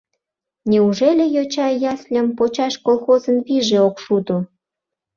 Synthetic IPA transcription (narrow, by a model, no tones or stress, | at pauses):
nʲeuʒelʲejot͡ɕɑjɑsʲlʲəmpot͡ɕɑʃkolxozənβiʒeokʃud̪o